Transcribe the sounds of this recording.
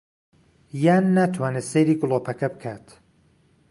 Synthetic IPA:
jaːnːaːt̪ʰwaːneːsejɾiːɡʊlˠoːpʰɐkɐbɨkʰaːt̪

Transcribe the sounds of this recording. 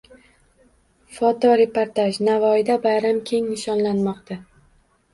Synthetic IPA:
fɒt̪ɒɾe̞poɾt̪aʃnavɒɪd̪abajɾamkʲʰe̞ŋnɪʃɒnlanmɒqt̪ʰa

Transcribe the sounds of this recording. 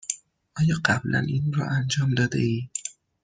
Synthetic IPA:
ʔɒːjɒːɢæblæ̰nʔiːnɾɒ̰ʔænd͡ʒɒːmd̪ɒːd̪ḛiː

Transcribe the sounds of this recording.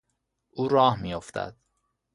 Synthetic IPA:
ʔuːɾɒːhmiːjoft̪ʰæ̰d̪̥

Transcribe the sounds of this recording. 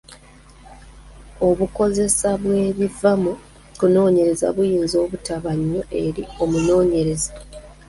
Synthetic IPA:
o̞βuko̞ze̞saβwe̞ːβivamu | kuno̞ːɲe̞ɾe̞za̰βujiːnzo̞ːβutaβaɲːo̞ʔe̞ɾio̞muno̞ːɲe̞ɾe̞zḁ

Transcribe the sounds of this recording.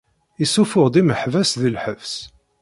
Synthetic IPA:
isufʊʁd̪ˤiməħvæsðilħəvs

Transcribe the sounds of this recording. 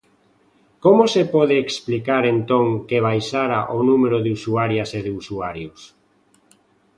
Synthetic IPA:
komosepɔð̞eːksplikaɾent̪oŋkeβ̞ajsaɾaʔonumeɾoðeusuaɾjaseðeusuaɾjos

